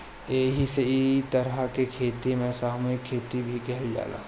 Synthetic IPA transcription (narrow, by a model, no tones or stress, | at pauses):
eːɦiseɪt̪ɐɾəkekʰeːt̪imẽsaːɦmoikʰːeːt̪ibʱikɛɦɛld͡ʒa̰ːla̰ː